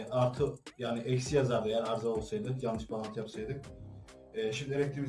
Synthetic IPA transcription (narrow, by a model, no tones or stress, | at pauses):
ʔaɾt̪ʰɯjaːniʔɛcsijazaɾd̪ajæɾaɾzao̞lˠsajd̪ɯjannːɯʃbalˠat̪ʰɯjapsajd̪ɯk | ɛːʃimd̪ielʲɛc̚t̪ʰɾimi